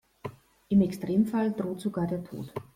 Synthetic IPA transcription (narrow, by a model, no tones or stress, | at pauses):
ʔɪmɛkstʁ̥eːmfald̥ʁoːtz̥oɡaːɐdeːɐtʰo̰ːt